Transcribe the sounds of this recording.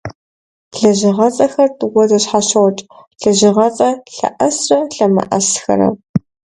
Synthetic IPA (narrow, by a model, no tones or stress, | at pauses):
ɮɐʑɪʁɐt͡sʼɐxɐrtʼwɔzɐɕħaɕɐwt͡ʃʼɬɐʑɪʁɐt͡sʼɐɬɐ̰ʔɐsrɐɬɐmɐ̰ʔɐsxɐ̰ɾɐ̰